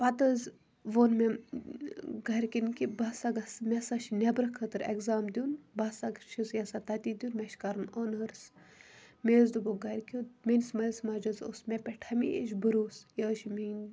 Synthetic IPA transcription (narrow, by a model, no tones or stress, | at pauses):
pɐt̪əz | ʋoːnme | ɡɐɾʲkʲinkibɐsaɡɐsmʲɛsaʃinʲebɾɐkʰːət̪ɨɾḛkzaːmd̪ʲunbɐsaɡʃʰisjɐsat̪ɐt̪id̪ʲjuːnmʲɛʃkaɾnoːnəɾs | meːzd̪uboɡɐɾkʲimensmɐlsmaːd͡ʒɐzo̰smʲepʲɛʈʰɐmied͡ʒʲbəɾuːsjəːʃimi